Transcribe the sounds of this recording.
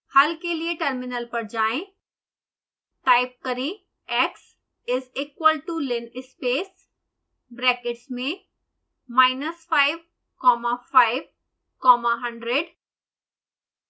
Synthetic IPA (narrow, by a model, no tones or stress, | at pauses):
hɐlkelieʈɐɾmɪnəlpɐɾd͡ʑaːẽ | ʈaːɪp̚kɐɾẽ | ɛks | ɪziːkwəlʈulɪnɪspeːs | bɾɛːkɪʈsmẽ | maːɪnəsfaːɪʋ | kɔːmafaːɪʋ | kɔːmaɦɐ̃ɳɖɾeɖ